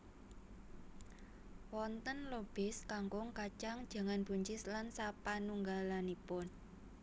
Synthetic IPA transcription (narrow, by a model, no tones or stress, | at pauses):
wɔnt̪ənlob̥ɪskaŋkʊŋkat͡ʃaŋd̥ʒ̥a̤ŋanb̥uɲt͡ʃɪslansapanuŋɡalanipʊn